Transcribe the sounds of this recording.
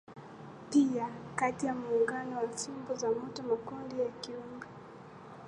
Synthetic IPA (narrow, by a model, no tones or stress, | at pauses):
piakatijamuːŋɡanɔwasimbɔzamutɔmakɔndijakiumbɛ